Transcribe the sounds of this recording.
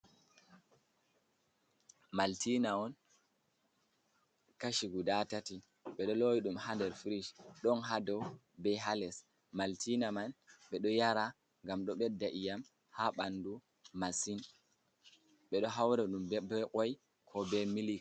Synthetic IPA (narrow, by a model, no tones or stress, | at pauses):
maltʰinaɔn | kaʃiɡudatati | ɓɛɗɔlojiɗumhandɛɾfiɾiʃɗɔnɦadɔw | bɛɦalɛs | maltʰinamanɓɛɗɔjaɾa | ŋɡamɗɔɓɛdːaʔijam | haɓandu | masin | ɓɛɗɔɦawɾaɗumbɛʔɔj | kʰɔbɛmilik